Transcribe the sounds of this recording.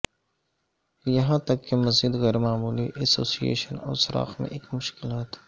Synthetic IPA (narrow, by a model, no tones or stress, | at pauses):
jɐɦãt̪ɐkːemɐziːd̪ɣɛːɾmaːmuːliʔɛsoːsijḛːʃənɔ̰ːsɪɾɑ̰ːxmḛ̃ʔeːkmʊʃkɪlaːt̪